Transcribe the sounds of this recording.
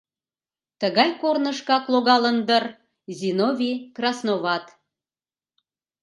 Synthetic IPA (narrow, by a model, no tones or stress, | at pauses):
t̪əɣɑjkornəʃkɑkloɣɑlənd̪ər | zʲinovʲikrɑsnoβɑt̪